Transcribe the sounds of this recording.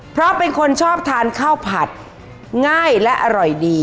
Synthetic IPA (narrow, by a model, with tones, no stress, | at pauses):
pʰɾɔ˦˥pe˧nkʰo˧nt͡ɕʰɔː˥˩p̚t̪ʰaː˧nkʰaː˥˩wpʰa˨˩t̪̚ | ŋaː˥˩jlɛ˦˥ʔa˧ɾɔ˨˩jdiː˧